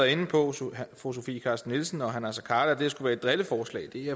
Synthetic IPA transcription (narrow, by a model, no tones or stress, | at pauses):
ɐe̝n̩pʰɒ̽fos̬o̝fḭːkʰɑ̈sd̥n̩ːilsn̩ɒ̽ɦænæsɒkʰɑ̈ːd̥ɐd̥e̝̥ɐsɡ̥uʋæːɐed̥ʁeləfɒːslɛ̰ːɪd̥e̝æ